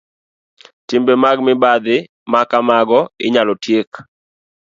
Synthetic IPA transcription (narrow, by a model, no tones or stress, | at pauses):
tɪmbemaɡmɪbad̪ɪ | makamaɡɔɪ̰ɲalɔtjek